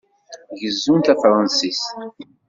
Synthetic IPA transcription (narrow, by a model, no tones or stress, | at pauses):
ʝəzːunt̪æfɾˤɑnsis